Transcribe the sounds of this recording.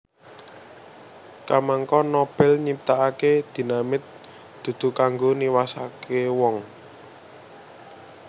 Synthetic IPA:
kamaŋkɔnɔb̥ɛ̤lɲip̚t̪aaked̪̥i̤namɪt̪̚ | d̪̥ṳd̪̥ṳkaŋɡoniwasakewɔŋ

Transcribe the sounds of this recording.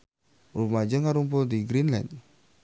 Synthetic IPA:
rumad͡ʒəŋaɾump̬ʊld̪iɡɾinla̰nd̪

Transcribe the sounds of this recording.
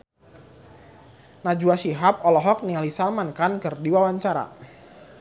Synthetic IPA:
nad͡ʒuaʃiɦap̚ɔlɔɦɔk̚nialisalmankankərdiwawaɲt͡ʃaɾa̰

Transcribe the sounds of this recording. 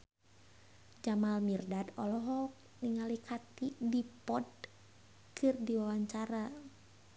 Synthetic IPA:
d͡ʒamalmirdad̪ɔlɔɦɔk̚ | niŋalikʰat̪idipɔd̚ | kʰɨrdiwawaɲt͡ʃaɾa

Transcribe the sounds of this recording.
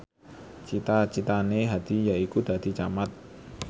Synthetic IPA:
t͡ʃit̪at͡ʃit̪aneɦad̪̥i̤jaikud̪̥ä̤d̪̥i̤t͡ʃamat̪̚

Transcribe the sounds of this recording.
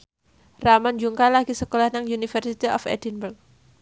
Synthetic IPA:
ramand͡ʒuŋkalaɡisəkolahnaŋunifərsit̪iɔfɛ̰dinbərk̚

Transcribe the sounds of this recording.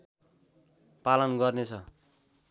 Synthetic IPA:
palʌnɡʌrnet͡sʰʌ

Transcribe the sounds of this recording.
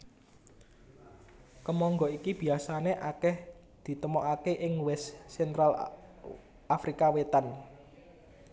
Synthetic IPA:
kəmɔŋɡɔikib̥i̤asaneʔakɛh | d̪̥i̤t̪əmɔkakeʔɪŋwɛssɛnt̪ɾal | afɾikawet̪an

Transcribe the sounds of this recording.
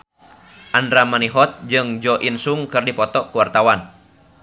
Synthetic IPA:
ʔandɾamaniɦɔt̪̚d͡ʒɨŋd͡ʒɔʔinsuŋkɨrdipɔt̪ɔkuwart̪awan

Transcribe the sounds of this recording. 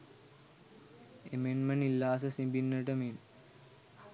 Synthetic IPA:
emenmənilːaːs̬əsibinːəʈəmen

